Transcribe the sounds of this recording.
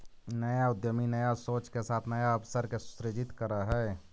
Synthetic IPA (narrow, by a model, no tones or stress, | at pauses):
nəjaʊd̪jəminəjasoːt͡ʃkesaːt̪ʰnəjaəbsəɾkesʊ̥sɾɪd͡ʒɪt̪kəɾəɦɛː